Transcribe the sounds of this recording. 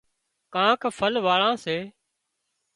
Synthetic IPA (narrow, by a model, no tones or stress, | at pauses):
kãːkʰfʰəlʋaːɭãːseː